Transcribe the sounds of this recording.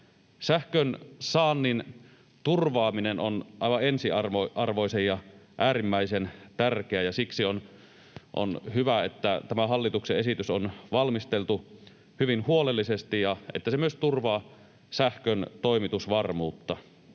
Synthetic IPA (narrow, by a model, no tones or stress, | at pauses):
sæhkønsɑːnːin | t̪urʋɑːminenonʔɑˑijʋɑensiɑrʋoʔɑrʋoisejjɑʔæːrimːæisent̪ærkeæjɑsiksion | ʔo̰nhyʋæet̪ːæt̪æmæhɑlːit̪ukseesit̪ysonʋɑlmist̪elt̪u | hyʋinhuolelːisest̪ijjɑʔet̪ːæsemyøst̪urʋɑː | sæhkønt̪oˑimit̪usʋɑrmuːt̪ːɑ